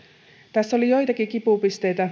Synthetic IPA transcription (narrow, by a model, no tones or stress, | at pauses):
t̪æsːo̞lijo̞jt̪ɑkikipupist̪e̞jt̪æ